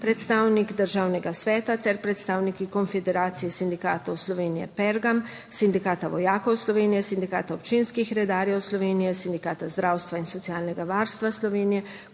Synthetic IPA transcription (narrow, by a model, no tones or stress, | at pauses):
pɾɛt̪st̪aːwnikd̪əɾʒaːwnɛɡasʋɛːt̪at̪ɛɾpɾɛt̪st̪aːwnikikɔnfɛd̪ɛɾaːt̪sijɛsind̪ikaːt̪ɔwslɔʋeːnijɛ̰pɛɾɡam | sind̪ikaːt̪aʋɔjaːkɔwslɔʋeːnijɛsind̪ika̰ːt̪aɔpt͡ʃinskixɾɛd̪aːɾjɛwslɔʋeːnijɛsind̪ikaːt̪azd̪ɾawst̪ʋainsɔt̪siaːlnɛɡaʋaɾst̪ʋaslɔʋeːnijɛ